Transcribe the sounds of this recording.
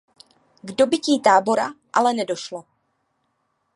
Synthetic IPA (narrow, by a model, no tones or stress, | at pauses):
ɡdo̞bɪciːt̪aːbo̞ɾaʔa̰lɛnɛdo̞ʃlo